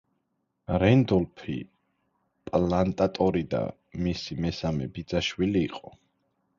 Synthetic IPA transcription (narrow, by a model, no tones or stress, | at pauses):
ɾɛnd̪ɔlpʰḭ | pʼlant̪ʼat̪ʼɔɾid̪a̰ | misimɛsamɛ̰bid̪zaʃwiliːqʼɔ